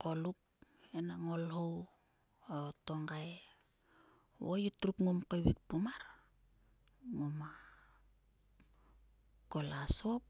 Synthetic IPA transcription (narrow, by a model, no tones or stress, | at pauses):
koluk̚enaŋolhow | otoŋɡae | wojutɾukŋumkojwik̚pumaɾ | ŋoma | kolasop̚